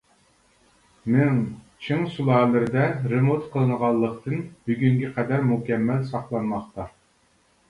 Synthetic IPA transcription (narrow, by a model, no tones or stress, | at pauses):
mɪŋ | t͡ʃʰiŋsulˠɑːlˠɨɾɪd̪ɛɾɨmot̪qʰəlˠɨnəʁɑlˠːəqt̪ɨnb̥yɡʲyŋɡʲɛqʰɛd̪æɾmukʲɛmːælsɑχlˠɑnmɑχt̪ɑ